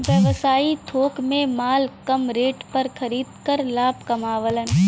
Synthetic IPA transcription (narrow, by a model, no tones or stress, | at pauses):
ʋjəʋsaːit̪ʰoːkmẽmaːlkɐmɾeːʈpɐɾkʰɐɾiːd̪kəɾlaːbkɐmaːʋələn